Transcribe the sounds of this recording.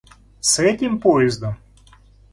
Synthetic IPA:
sɛtʲɪmpojɪzd̪ɐm

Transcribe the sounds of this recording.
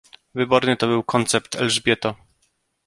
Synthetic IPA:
vɘbɔɾnɘt̪ɔbɘwkɔnt̪sɛp̚t̪ɛ̰lʐbʲjɛt̪ɔ

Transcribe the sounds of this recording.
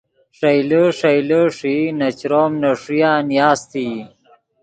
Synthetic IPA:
ʂɐjləʂɐjləʂinɐt͡ɕɾoːmnɐʂujaːnijaːst̪i

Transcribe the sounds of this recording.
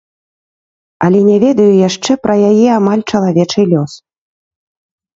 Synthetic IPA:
ɐlʲɛnʲavʲɛd̪ɐjujaʂt͡ʂɛpɾʔɐjajɛamalʲt͡ʂɐlˠavʲɛt͡ʂɨlʲɔs

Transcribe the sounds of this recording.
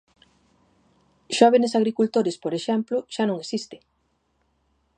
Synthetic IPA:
ʃɔβenesaɣɾikult̪oɾespoɾeʃɛmplʊʃanõŋesist̪ɪ̥

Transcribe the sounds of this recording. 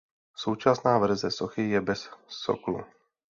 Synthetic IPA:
sowt͡ʃasnaːvɾ̩zɛsoxɪjɛbɛsːo̰klṵ

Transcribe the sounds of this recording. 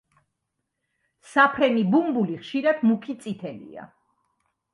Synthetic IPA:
sapʰɾɛnibumbuliχʃiɾɛt̪ʰmukʰit̪sʼit̪ʰɛlḭa̰

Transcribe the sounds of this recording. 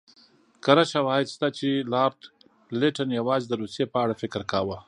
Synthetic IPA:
kəɾaʃawɑjɪd̪st̪at͡ʃelɑɾt̪ | lɪʈənjawɑzd̪əɾusjepəaɽafɪkɾkawə

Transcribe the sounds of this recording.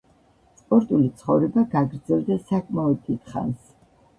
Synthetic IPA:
spʼɔɾt̪ʼulit̪sʰχɔvɾɛbaɡaɡɾd̪zɛlˠd̪asakʼmaɔd̪̚t̪ːʰit̪ʰχa̰ns

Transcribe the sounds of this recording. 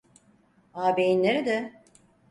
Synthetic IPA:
aːbejinlʲeɾid̪ɛ

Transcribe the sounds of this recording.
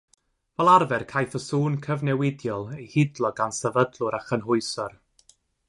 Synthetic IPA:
vɛlˠarvɛrkʰajθəsuːnkʰəvnɛwɪdjɔlˠejhɪdlˠɔɡansɛvədlˠʊɾaχənɦʊɨsɔr

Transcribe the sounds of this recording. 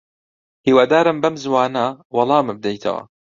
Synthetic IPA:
hiːwad̪aːɾɨmbɐmzwɑːnɐwɑlˠɑːmɨb̚d̪ɛjt̪ʰɐ̰wɐ̰

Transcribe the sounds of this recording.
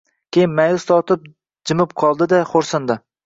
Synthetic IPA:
kʲejɪnmajʊst̪ɒt̪ʰɪp̚ | d͡ʒɪmɪpqʰɒlˠd̪ɪd̪aχoɾsɪnd̪ɪ

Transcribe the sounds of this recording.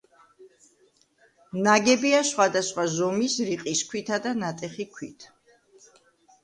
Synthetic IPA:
naɡɛbiaʃχwad̪asχwazɔmisɾiqʼiskʰwit̪ʰad̪anat̪ʼɛχikʰwit̪ʰ

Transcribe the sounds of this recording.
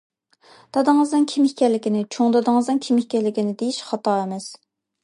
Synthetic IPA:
d̪̥ɑd̪əŋəzd̪ɨnkʲʰimikʲɛɾlɪkʲinɪt͡ʃʰoŋd̪ɑd̪ɨŋɨzd̪ɨnkʲʰimihkʲɛɾlɪkʲinɪd̪ejiʃχɑt̪ʰɑːemɛs

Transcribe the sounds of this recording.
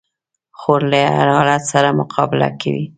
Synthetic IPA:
xoɾlaa̰ɾhɑlat̪saɾamʊqʰɑbɪla̰kawi

